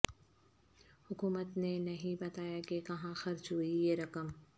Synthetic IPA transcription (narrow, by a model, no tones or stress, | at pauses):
hʊkuːmət̪nenɐɦĩbɐt̪aːjakekɐɦãxɐɾt͡ʃɦuijeɾɐkəm